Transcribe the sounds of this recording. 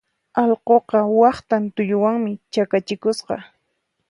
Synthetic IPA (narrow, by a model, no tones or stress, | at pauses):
ɑlqoqɑwɑχt̪ant̪ʊʎʊwaŋmɪt͡ʃakat͡ʃɪkʊsqɑ̰